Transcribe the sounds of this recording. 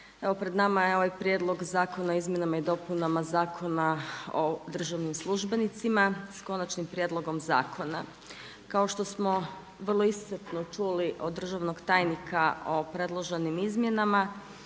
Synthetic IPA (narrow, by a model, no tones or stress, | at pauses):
e̞ʋo̞pɾed̪namajeo̞ʋajpɾje̞ːd̪lˠo̞ɡzaːko̞naoizmje̞namaid̪o̞punamazaːkʰo̞naod̪r̩ʒaʋnimslˠuʒbe̞nit̪simasko̞nat͡ʃnimpɾjed̪lˠo̞ɡo̞mza̰ːkʰo̞na̰ | kao̞ʃt̪o̞smo̞ | ʋr̩lˠoisset̪not͡ʃuliʔod̪ːr̩ʒaʋno̞ɡt̪aːjnikʰao̞pɾe̞d̪lˠoʒenimizmje̞nama